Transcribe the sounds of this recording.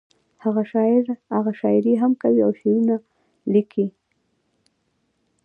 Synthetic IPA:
haɣaʃɑɪɾhaɣaʃɑɪɾeɦamkawiawʃajuna | likʰi

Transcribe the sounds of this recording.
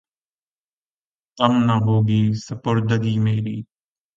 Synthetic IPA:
t̪əmnaɦoːɡiːsəpʊɾd̪əɡ̪iːmeːɾiː

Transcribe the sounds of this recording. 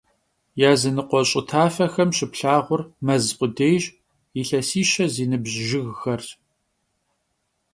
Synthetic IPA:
jaːzɨnɨqʷɔɕʼɪtʰaːfɐxɐmʃɪpɬaːʁʷʊrmɐzqʷʊdeːjʒ | iɬɐsiːʃɐziːnɨbʒʒɪɣxɐr

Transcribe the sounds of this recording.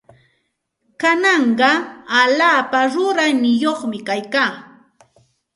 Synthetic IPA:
kanɑɴɢɑalaːpaɾʊɾajnɪjoχmɪkajkaː

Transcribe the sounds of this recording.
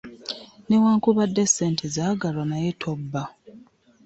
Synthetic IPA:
ne̞waːŋkuβadːeseːntʰezaɡalwanajetʰobːa

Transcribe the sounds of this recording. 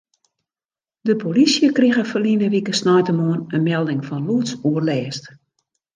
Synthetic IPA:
dəpolisjəkriɣəfəlinəʋikəsnɔjtəmoənənmɛlˠdɪŋfɔnluətsuərlɛːst

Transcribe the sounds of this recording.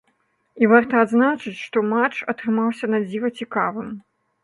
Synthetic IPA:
ivart̪ɐad̪znat͡ʂɨt͡sʲʂt̪ɔmat͡ʂɐt̪ɾɨmawsʲɐnad͡zʲivɐt͡sʲikavɨm

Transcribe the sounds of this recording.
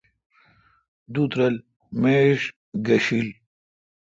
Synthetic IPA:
d̪ut̪ɾɐl | meɕ | ɡɐɕil

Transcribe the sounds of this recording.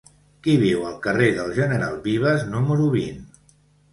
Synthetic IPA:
kiβiwəlˠkəreðəlˠʒənəɾa̰lˠβiβ̞əznuməɾuβin

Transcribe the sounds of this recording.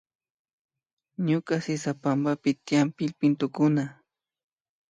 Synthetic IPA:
ɲʊkasɪsapambapɪt̪ɪjampɪʎpɪnt̪ʊkʊna

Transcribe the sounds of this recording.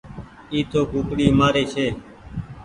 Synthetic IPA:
iːt̪ʰoːkuːkɽiːmaːɾeːt͡ʃʰeː

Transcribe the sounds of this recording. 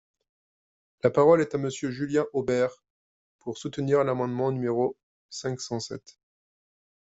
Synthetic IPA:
lapaʁɔlɛt̪aməsjøʒyljɛ̃ʔobɛʁ | puʁsut̪əniʁlamɑ̃d̪mɑ̃nymeʁo | sɛ̃ksɑ̃sɛ̰t̪

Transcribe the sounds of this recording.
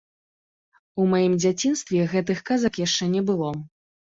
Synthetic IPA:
umajimd͡zʲat͡sʲinst̪vʲɛɣɛt̪̬ɨxkazɐkjaʂt͡ʂɛnʲɛbɨlˠɔ

